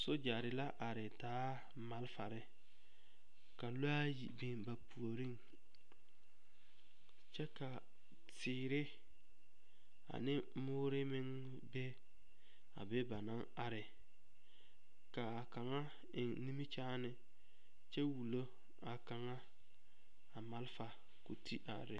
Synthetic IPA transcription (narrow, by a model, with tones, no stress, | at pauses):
sʊ˦d͡ʒa˨ɾɪ˨la˦ʔa˨ɾɪ˨taː˨˦ | ma˨lfa˨ɾɪ˦ | ka˨lo˦a˦ji˨bɪ˨nba˨pu˨o˨ɾi˦ŋ | t͡ʃɛ˦ka˨ | tɪː˨ɾɪ˦ | a̰˨nɪ˦ | mʊː˦ɾɪ˦mɪ˦ŋ | bɛ˦ | a˨be˦ba˨na˦ | a˨ɾɪ˨ | ka˨a˨ka˨ŋa˦ | ɪ˨ŋni˦mi˦t͡ʃaː˦nɪ˨ | t͡ʃɛ˦wu˨lo˦ | a˨ka˨ŋa˦ | a˨ma˦lfa˨ | ko˨tʰi˦ʔa̰˨ɾɪ˨˦